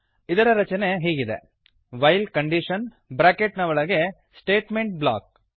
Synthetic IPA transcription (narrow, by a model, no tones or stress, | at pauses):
id̪ɐɾɐɾɐt͡ʃɐne̞ɦiːɡid̪ḛ | ʋɐjlkɐɳɖiʃɐn | bɾaːkeʈnɐʋɐɭɐɡe̞ | sʈeːʈme̞ɳʈ̚bla̰ːk̚